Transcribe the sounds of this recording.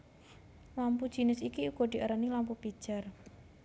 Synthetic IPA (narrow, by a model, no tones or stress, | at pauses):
lampud̥ʒ̥i̤nɪsikiuɡ̥ɔd̪̥i̤ʔəɾənilampupid̥ʒ̥a̤r